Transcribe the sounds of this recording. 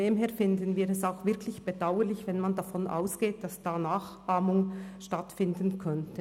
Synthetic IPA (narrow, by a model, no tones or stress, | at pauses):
eːmɦeːɐfɪndənviːɾɛsaʊxv̥ɪɐkʰlɪçb̥edaʊəɾlɪçvɛnmandafɔnʔa̰ʊsɡ̥eːt̚d̥asd̥aːnaːχʔaːmʊŋʃtatfɪndənkʰœntʰə